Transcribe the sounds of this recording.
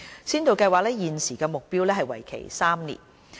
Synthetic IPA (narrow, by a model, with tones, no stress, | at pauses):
siː˥nt̪o˨wkɐ˧jwaː˨k̚lɛː˥jiː˨nsiː˨˩kɛː˧mʊ˨k̚piː˥wlɛː˥ɦɐ˨jwɐ̰˨˩jkʰḛ˨˩jsaː˥mnḭː˨˩n